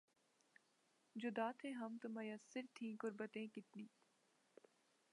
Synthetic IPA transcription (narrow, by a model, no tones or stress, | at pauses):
d͡ʒʊd̪aːt̪ʰẽɦɐmt̪ʊmɐjɐsɪɾt̪ʰːĩːkʊɾbət̪ẽːkɪt̪niː